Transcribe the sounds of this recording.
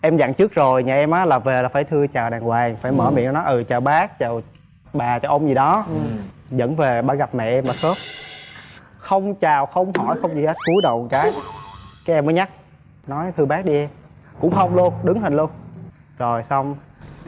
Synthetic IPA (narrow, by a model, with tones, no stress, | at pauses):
ʔɛ˧mza̰˧˨ŋt͡ɕɨ˦˥k̚zo˨˩jɲaː˨˩ʔɛ˧mʔaː˨˦laː˨˩ve˨˩laː˨˩faː˧˩jt̪ʰɨ˧ət͡ɕaː˨˩wɗaː˨˩ŋɣwaː˨˩jfaː˧˩jməː˧˩mḭ˧˨n˧˦nɔ˨˦ʔɨ˨˩t͡ɕaː˨˩wɓaː˦˥k̚t͡ɕaː˨˩w | ɓaː˨˩t͡ɕaː˨˩wʔə˧wŋ͡mzi˨˩ɗɔ˨˦ | zə̰˧˥nve˨˩ɓaː˨˧˦ɣa˨˩p̚mɛ̰˧˨ʔɛ˧mɓaː˨˩t̚sə˦˥t̚ | xə˧wŋ͡mt͡ɕaː˨˩wxə˧wŋ͡mhɔ˧˩jxə˧wŋ͡mt͡ɕḭ˧˩he˦˥t̚ku˨˦ɗə̰˧˨wŋ͡mkaː˨˦jkaː˨˦jʔɛ˧mːəː˨˦jɲa˦˥k̚ | nɔ˨˦jt̪ʰɨ˧əɓaː˦˥k̚ɗi˧ | kʊ̰˧˥ŋ͡mxə˧wŋ͡mlu˧ənɗɨ˨˦ŋhi˨˩n̟lu˧ən | zo˨˩jsa˧wŋ͡m